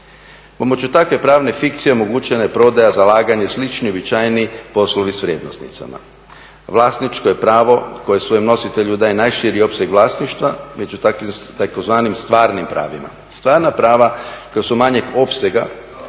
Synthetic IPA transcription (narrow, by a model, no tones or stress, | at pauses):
po̞mot͡ɕut̪akʋe̞pɾaːʋne̞fikt̪sijeo̞mo̞ɡuːt͡ɕenajepɾo̞d̪ajazalˠaːɡaɲe̞slit͡ʃnio̞bit͡ʃaːjnipo̞slˠoʋisʋɾʲjeːd̪nost̪nḭt̪sa̰ma̰ | ʋlˠaːsnit͡ʃkoje̞pɾaːʋo̞ko̞je̞sʋo̞jemno̞sit̪e̞ʎud̪aːjenajʃiːɾio̞pseɡʋlˠaːsniʃt̪ʋame̞d͡ʒut̪akit̪akozʋaːnimst̪ʋaːɾnimpɾa̰ːʋima̰ | st̪ʋaːɾnapɾaːʋakojasumaɲe̞ɡo̞pseɡa